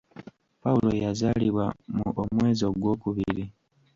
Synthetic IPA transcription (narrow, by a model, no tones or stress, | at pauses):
paulo̞jazaliβwamuʔomwe̞ːzio̞ɡwo̞ːkuβiɾi